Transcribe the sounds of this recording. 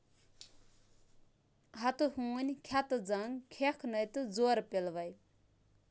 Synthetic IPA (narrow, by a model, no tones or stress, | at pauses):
ɦat̪uhunʲkʰat̪ɨd͡zaŋkʰekʰnɐjt̪ɨd͡zoɾpelʋaj